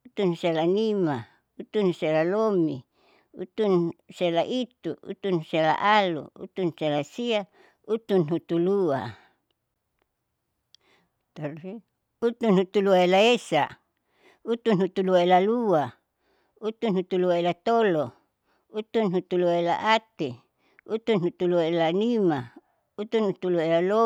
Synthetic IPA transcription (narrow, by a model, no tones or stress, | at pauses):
ut̪unselanima | ut̪unselalomi | ṵt̪unselaʔit̪uṵt̪unsela̰ʔalṵṵt̪unselasia | ut̪unhut̪ulua̰ | t̪ari | ut̪unhut̪uluaelaesa̰ | ut̪unhut̪uluaelalua | ut̪unhut̪uluaelat̪olo | ut̪unɦut̪uluaela̰ʔat̪e | ut̪unhut̪uluaelanima | ut̪unhut̪uluaelalo